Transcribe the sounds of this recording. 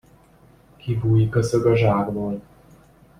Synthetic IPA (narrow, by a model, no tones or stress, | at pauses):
kʰivuːjikøsøɡɒʒaːɡboːl